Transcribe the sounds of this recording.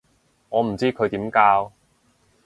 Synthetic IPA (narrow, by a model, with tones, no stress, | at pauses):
ŋɔː˨˧m̩˨˩t͡siː˥kʰɵ˨˧ɥt̪iː˨˥mkaː˧w